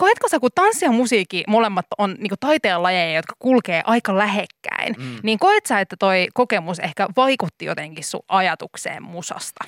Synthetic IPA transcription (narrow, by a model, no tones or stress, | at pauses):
koet̪kosɑkut̪ɑnsːiɑmusiːkːimolemːɑt̪ːonniːŋkot̪ɑit̪eːlːɑjejɑjot̪kɑ̥kulkeːʔɑikɑlæhekːæ̰inniːŋkoet̪sɑet̪ːæt̪oikokemusehkæʋɑikut̪ːijot̪eŋkissṵʔɑjɑt̪uksḛːmmusɑ̰st̪ɑ̥